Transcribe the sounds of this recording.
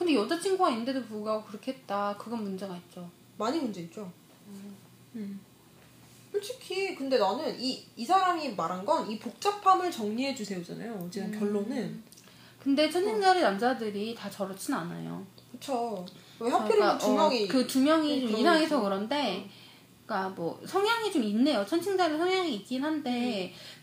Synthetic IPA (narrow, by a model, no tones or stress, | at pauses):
kɯnde̞jʌd͡ʑat͡ɕʰiŋɡuɡainːɯnde̞dopuɭɡaɡokɯɾʌkʰeɦet̚t͈akɯɡʌnmund͡ʑeɡait̚t͡ɕ͈o | maɲimund͡ʑe̞itt͡ɕ͈o | uɭt͡ɕʰikʰikɯnde̞nʌnɯniisʰaɾamimaɾanɡʌnipok̚t͡ɕ͈apʰamɯɭt͡ɕʌŋɲiɦe̞d͡ʑusʰe̞jod͡ʑa̰na̰joːd͡ʑinɯnkjʌɭːonɯn | kɯnde̞t͡ɕʰʌnt͡ɕʰiŋd͡ʑaɾɯnamd͡ʑadɯɾitat͡ɕʌɾʌt͡ɕʰinana̰jo̰kɯt͡ɕʰo | ehjapʰjʌɾiumjʌŋikɯtumjʌŋit͡ɕomisʰaŋe̞sʰʌkɯɾʌnde̞ | k͈amwʌ̰sʰʌŋjaŋit͡ɕominːe̞jot͡ɕʰʌnt͡ɕʰiŋd͡ʑaɾɯɭsʰʌŋjaŋiːk͈̚inɦande̞